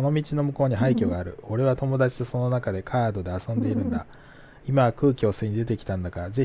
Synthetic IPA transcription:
ono̞mʲit͡ɕino̞mɯ̟ko̞ːɲ̟iɦaikʲo̞ɡaːɾɯ̟o̞ɾe̞βat̪o̞mo̞d̪at͡ɕi̥t̪o̞so̞no̞nakad̪e̞kʰaːd̪o̞d̪e̞asõ̞nd̪e̞iɾɯ̟̃nd̪a | imaβakɯ̟ːkʲio̞ːseɲ̟id̪e̞t̪ekʲi̥t̪ãnd̪akaɾze

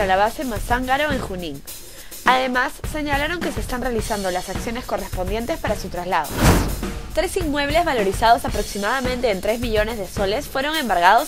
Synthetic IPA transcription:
alaβase̞masaŋɡaɾo̞eŋxunĩŋ | aðe̞masːe̞ɲalaɾo̞ŋke̞se̞st̪anrealisand̪o̞lasaksjo̞ne̞sko̞re̞spo̞nd̪je̞nt̪e̞spaɾasut̪ɾazlaðo | t̪ɾe̞sinmwe̞β̞le̞zβalo̞ɾisaðo̞sapɾo̞ksimað̞amẽnt̪e̞ːnt̪ɾe̞zmiʎo̞ne̞zðe̞so̞le̞sfwe̞ɾo̞ŋe̞mbaɾɣ̞að̞o̞s

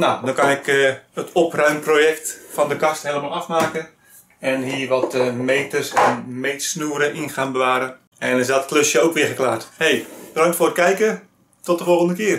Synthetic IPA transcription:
nadɔkanɪkəətʰɔprœɥmproːjɛktfɔndəkastheləmalˠafmaːkən | ɛnhiərʋɔtmejtərsɛnmejtsnuəɾəʔinxaːnbəʋaːɾə | ɛnɪsatkløsjəowkʋɪəxəklaːrthejb̥ədaŋktfoːrkːɛjkə | tɔt̚dəfɔlˠəndəkɪər

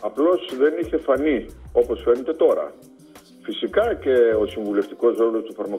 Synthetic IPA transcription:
ɐplo̞sðe̞niçe̞fɐnio̞po̞sfe̞ne̞t̪e̞t̪o̞ɾɐ̰ | fisikɐce̞osiɱvule̞ft̪iko̞sɾo̞lo̞st̪ufɐɾmɐ

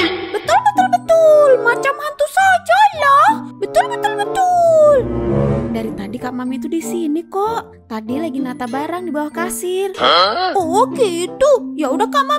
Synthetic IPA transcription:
bət̪ʊlbət̪ʊlbət̪ʊlmat͡ʃamant̪usad͡ʒalɔhbət̪ʊlbət̪ʊlbət̪uldaɾit̪adikamamit̪udisinikɔʔ | t̪adilaɡinat̪abaɾaŋdibawahkasɪrɔhkit̪ujaudahkama

